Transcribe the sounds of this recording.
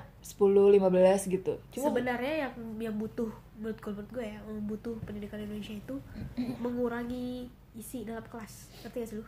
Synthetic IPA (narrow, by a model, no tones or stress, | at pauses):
sə̥pulʊhlimabəlasɡit̪ṵt͡ʃusmaəbənarɲajaŋjaŋbut̪ʊh | muɾʊt̪̚ɡolməʊt̪̚ɡuajambut̪ʊhpəndidikanindonesiait̪uməŋuɾaŋiː | sidalap̚kəlas | kərt̪ikasilʊh